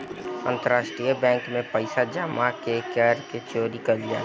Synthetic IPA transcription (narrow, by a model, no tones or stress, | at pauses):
ə̰̃nt̪əɾaːʃʈɾijəbɛ̃ːŋkmẽpəɪsad͡ʒəmakekɛːɾket͡ʃoːɾikəld͡ʒa̰ː